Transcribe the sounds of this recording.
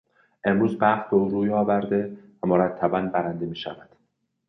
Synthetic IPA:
ʔe̞mɾuːzbæχt̪̚be̞uːɾuːjɒːvæɾd̪e̞væmoɾæt̪ʰːæbænbæɾænd̪e̞miːʃæ̰væd̪̥

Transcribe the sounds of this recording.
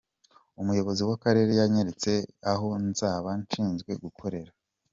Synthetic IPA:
umujo̞βo̞ziwakaɾe̞ɾe̞jaɲeɾet͡se̞aɦo̞nzaːβanʃiːnzɡwe̞ɡukʰo̞ɾe̞ɾa

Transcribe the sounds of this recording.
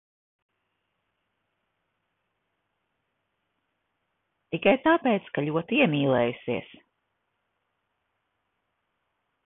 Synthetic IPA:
t̪ikajt̪aːpɛːt̪skaʎʲuɔt̪iiɛmiːlˠɛːjusiɛs

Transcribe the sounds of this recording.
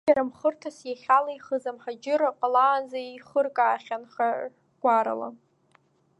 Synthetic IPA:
aɾamχərtʰasjaχʲalaiχəzamħad͡ʒɪɾaqʼalaːnzaiχərkʼaːχʲanχa | ɡ̥ʷaɾa̰la̰

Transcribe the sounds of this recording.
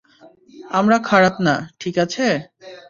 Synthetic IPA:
amɾakʰaɾapnaʈʰikat͡ɕʰe

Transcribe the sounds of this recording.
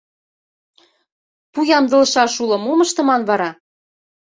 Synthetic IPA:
pujɑmd̪ɤ̆lʃɑʃulɤ̆momə̆ʃt̪ɤ̆mɑnβɑɾɑ

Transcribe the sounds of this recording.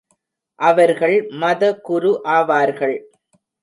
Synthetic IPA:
ʔɐʋɐɾɣɐɭmɐðɐkʊɾʊʔaːʋaːɾɣɐɭ

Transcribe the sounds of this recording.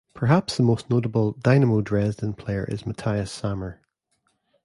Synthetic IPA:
pʰə˞ɦapsðəmosnoʔəbəlˠdaɪnəmodɹɛsdə̃npʰl̥eə̰˞ʔɪ̰zmətʰaɪəsamə˞

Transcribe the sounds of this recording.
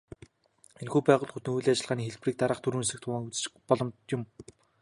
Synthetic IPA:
enxuːpæːʁʊːɮɡut̪ɘ̆ŋujɮːat͡ɕɪ̆ɮʁaːniːxeɮpriːk̚t̪aɾə̆ːχt̪ʰuɾuːnsɘ̆k̚t̪ʰʊʁaːŋut͡s̆t͡ɕpɔɮɞ̆mt̪jʊm

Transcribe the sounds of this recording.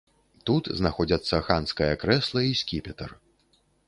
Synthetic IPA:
t̪ut̪znaxɔd͡zʲɐt̪sːɐxanskɐjɐkɾɛslˠɐisʲkʲipʲɛt̪ɐr

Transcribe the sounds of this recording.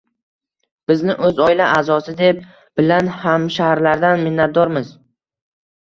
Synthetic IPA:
b̥ɪznɪʔɵzɒɪlaʔaːzɒsɪd̪e̞p̚ | b̥ɪlanhamʃahɾlaɾd̪anmɪnːat̪̚d̪ɒɾmɪz

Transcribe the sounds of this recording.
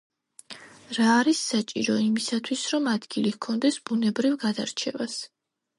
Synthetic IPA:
ɾaːɾisːat͡ʃʼiɾɔimisat̪ʰwisɾɔmad̪ɡilikʰɔnd̪ɛsb̥unɛbɾivɡad̪aɾt͡ʃʰɛvas

